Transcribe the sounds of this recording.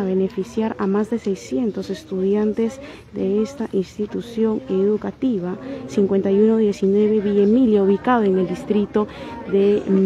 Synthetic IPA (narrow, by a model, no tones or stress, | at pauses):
aβe̞ne̞fisjaɾamazðe̞sejsje̞nt̪o̞se̞st̪uðjant̪e̞z | d̪eest̪aʔinst̪it̪usjo̞ŋeðukat̪iβasiŋkwe̞nt̪ajunoðje̞sinwe̞βe̞βiemiljauβikaðoeŋe̞ld̪ist̪ɾit̪oðem